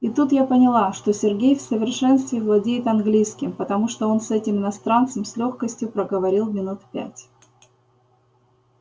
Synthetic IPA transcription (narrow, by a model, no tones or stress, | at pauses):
ɪt̪ut̪japənʲɪlˠaʂt̪o̞sʲɪrɡʲejfsəvʲɪrʂɛnst̪vʲɪːvlˠɐdʲejɪt̪ɐnɡlʲijskʲɪmpət̪ɐmuʂt̪oo̞nsɛtʲɪmɪnɐst̪ɾant̪səmsʲlʲo̞xkəsʲtʲjʊpɾəɡəvɐɾʲilˠmʲɪnut̪pʲæ̰tʲ